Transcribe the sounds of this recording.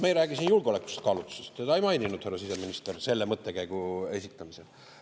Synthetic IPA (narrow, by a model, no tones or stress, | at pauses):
mejɾæːɡ̥isinjulɡ̥eole̞kːˑu̥se̥t̪kɑːlut̪ːˑu̥sest̪t̪ɑejmɑjnʲinud̪̥herːɑsise̞minist̪erse̞lːemɤt̪ːˑe̞kæjɡ̥ue̞sʲit̪ːˑɑmisel